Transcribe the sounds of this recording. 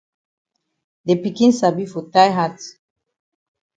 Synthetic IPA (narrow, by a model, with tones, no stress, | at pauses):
de˨pi˨kĩ˦nsa˨bi˦fɔ˨ta˦jɦat